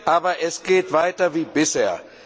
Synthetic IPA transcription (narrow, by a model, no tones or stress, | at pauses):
aːbɐʔɛsɡeːtʋaɪtɐʋiːbɪseɐ̰